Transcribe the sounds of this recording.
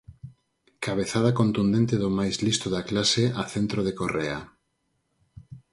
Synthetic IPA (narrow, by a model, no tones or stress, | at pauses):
kaβeθað̞akont̪und̪ẽnt̪eðomajzlist̪oðaklaseaθent̪ɾoðekorea